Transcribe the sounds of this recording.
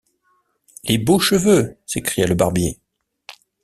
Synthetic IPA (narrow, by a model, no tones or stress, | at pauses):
leboʃəvøsekχijaləbaʁbjḛ